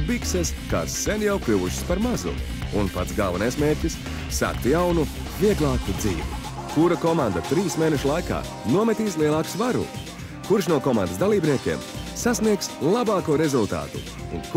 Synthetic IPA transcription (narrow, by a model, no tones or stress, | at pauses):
bikseska̰ːsːenjawkɾʲuʋuʃi̥spaɾmazṵ | unpat̪sɡavanajsmeːɾʲcʲisː | a̰ːkt̪jawnu | viɛɡlˠɑːkud̪zḭːvṵ | kuɾakɔmand̪at̪ɾiwsmeːneʃlˠajka̰ː | nuɔmɛt̪iːs̬lˠiɛlˠaːksvaɾṵ | kuɾʃnuɔkɔma̰nd̪əsd̪alˠiːbniɛkʲeɛːmsasniɛkslˠabaːkuɔɾezulˠt̪a̰ːt̪ṵ | ṵnk